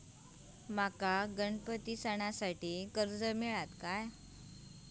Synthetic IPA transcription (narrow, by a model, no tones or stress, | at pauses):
makaɡəɳpət̪isəɳ̃asaʈiːkəɾd͡zəmiɭat̪kaj